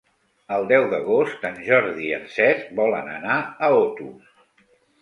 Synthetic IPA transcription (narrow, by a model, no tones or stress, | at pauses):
əlˠd̪ɛwðəɣost̪anʲʒɔɾðiə̰nsɛzbɔlənə̰naəot̪u